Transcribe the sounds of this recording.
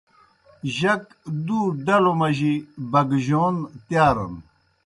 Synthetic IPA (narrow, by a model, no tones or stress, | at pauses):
ʑɐk | d̪uɖɐlomɐʑibɐɡʑoːnt̪jaːɾɐ̰n